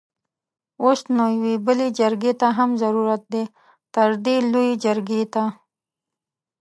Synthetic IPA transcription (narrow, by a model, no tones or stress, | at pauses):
ost̪nojwibəlid͡ʒɐɾɡet̪aɦɐmzɐɾuɾət̪̚d̪e | t̪ɐɾd̪iluid͡ʒɐɾɡet̪a